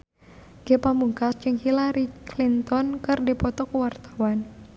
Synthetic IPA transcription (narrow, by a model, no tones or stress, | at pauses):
ɡ̥epambuŋkasd͡ʒɨŋhilaɾiklint̪ɔnkɨrdipɔt̪ɔkwart̪ḁwan